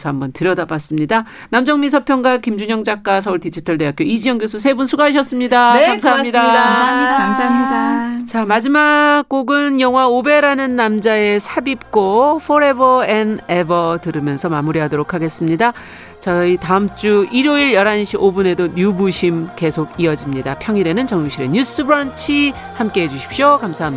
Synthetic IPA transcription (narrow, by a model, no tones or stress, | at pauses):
sʰʌɦambʌntɯɾjʌdabas͈ɯmɲida | namd͡ʑʌŋmis̬ʰʌpʰjʌŋɡwakimd͡ʑuɲʌŋd͡ʑak͈̚asʰʌuɭtid͡ʑʰitʰʌɭde̞ak͈joid͡ʑiɲʌŋɡjosʰusʰe̞bunsʰuɡaaɕ̬ʰʌs͈ɯmɲidakamsaɦaɲidaaaamamɲidat͡ɕamad͡ʑimakk͈oɡɯnjʌŋwaobe̞ɾanɯnːamd͡ʑae̞sʰabip̚k͈ofʰoɾe̞bʌe̞nebʌtɯɾɯmjʌnsʰʌmamuɾiɦadoɾokʰaɡe̞s͈ɯmɲida | t͡ɕʌitaɯmt͡ɕ͈uiɾoiɾjʌɾanɕʰiobune̞domjubuɕʰimke̞sʰoɡiʌd͡ʑimɲidapʰjʌŋiɾe̞nɯnt͡ɕʌŋjoŋɕʰiɾe̞̰ɲus͈ɯbɯɾʌnt͡ɕʰi | hamk͈e̞ɦe̞d͡ʑuɕʰi̥p̚ɕ͈jokamsʰaɦamɲi